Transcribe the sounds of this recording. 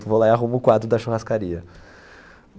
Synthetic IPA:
t̪ʊvolaiaɦũmʊkwad̪ɾʊd̪ɐʃuhaskaɾiɐ

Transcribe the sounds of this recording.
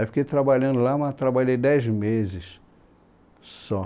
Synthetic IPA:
efi̥kejt̪ɾabaʎɐ̃nd̪ʊlamat̪ɾabaʎejd̪ɛjzmezɪs | sɔ

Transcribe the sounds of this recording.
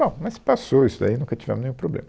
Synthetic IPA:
b̥õw̃mɐspasoisʊd̪a̰inũkɐt͡ʃi̥vɛ̰̃mʊznẽj̃ũpɾoblḛ̃mɐ

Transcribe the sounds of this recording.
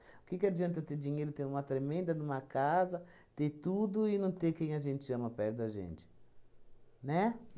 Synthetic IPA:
ʊkɪkɪad͡ʒiɐ̃nt̪ɐt̪ed͡ʒiɲejɾʊt̪ẽj̃ũmɐt̪ɾemẽnd̪ɐnũmɐkazɐ | t̪et̪ud̪ʊɪnɐ̃w̃t̪ekẽj̃ɐʒẽnt͡ʃɪɐ̃mɐpɛɾd̪ɐʒḛ̃nt͡ʃɪ̥ | nɛ

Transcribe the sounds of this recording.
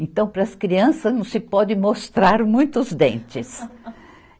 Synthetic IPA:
ẽnt̪ɐ̃w̃pɾɐːskɾiɐ̃sɐznɐ̃w̃sɪpɔd̪ɪ̃most̪ɾaɾmũj̃t̪ʊzd̪ẽnt͡ʃɪs

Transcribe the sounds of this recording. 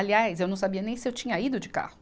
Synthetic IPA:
aliajs̬ewnɐ̃w̃sabiɐnẽj̃sɪewt͡ʃĩɲɐid̪ʊd͡ʒɪka̰hʊ

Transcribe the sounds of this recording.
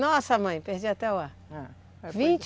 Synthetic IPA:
nɔsɐmɐ̃j̃pehd͡ʒiat̪ɛwa | vĩnt͡ʃ

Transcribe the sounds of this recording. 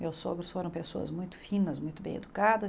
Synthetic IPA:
mewsoɡɾʊsfoɾɐ̃w̃pesoɐ̰zmũj̃t̪ʊ̥fĩnɐzmũj̃t̪ʊbẽj̃ḛd̪ukad̪ɐ

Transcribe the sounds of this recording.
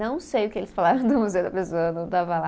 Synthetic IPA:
ɐ̃w̃sejʊkɪelɪsfalaɾɐ̃w̃d̪ʊmozed̪ɐpesoɐnɐ̃w̃t̪avɐla

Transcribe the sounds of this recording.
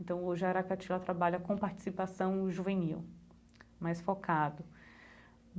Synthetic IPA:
ẽnt̪ɐ̃w̃oʒɪaɾakat͡ʃilɐt̪ɾabaʎɐkõpaɾt͡ʃi̥sipasɐ̃w̃ʒuvẽniw | majsfɔkad̪ʊ

